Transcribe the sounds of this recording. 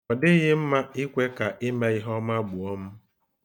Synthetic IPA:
ɔ˨dɪ˦ɣɪ˦m̩˦ma˦ɪ˦kʷe˦ka˨ʔɪ˦me˦i˦ɦɔ˦ma˦ɡ͡bʊ˨ɔ˦m̩˦

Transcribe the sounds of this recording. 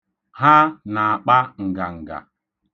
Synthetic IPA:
ha˦na˨a˨k͡pa˦ŋ̩˨ɡa˨ŋ̩˨ɡa̰˨

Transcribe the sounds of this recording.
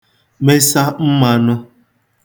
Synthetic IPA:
me˦sa˦m̩˦ma˨nʊ˦

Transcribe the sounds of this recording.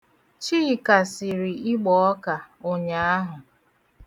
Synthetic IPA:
t͡ʃi˦˨ka˨sɪ˨ɾi˨ɪ˦ɡ͡bɔ˨ɔ˦ka˨o˨ɲa˨a˦ɦʊ˨

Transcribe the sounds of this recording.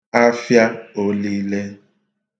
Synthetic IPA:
a˦fja˦o˦li˦le˦

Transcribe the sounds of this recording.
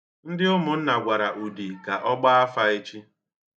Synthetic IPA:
n̩˦dɪ˦ʊ˦mʊ˨n̩˦na˨ɡʷa˨ɾa˨ʔu˨di˨ka˨ʔɔ˦ɡ͡ba˦a˦fa˦i˦t͡ʃi˦

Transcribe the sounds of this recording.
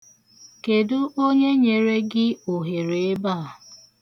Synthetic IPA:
ke˨dʊ˦ʔo˦ɲe˦ɲe˨ɾe˦ɡɪ˦o˨ɦe˨ɾe˨e˦ba˦˨

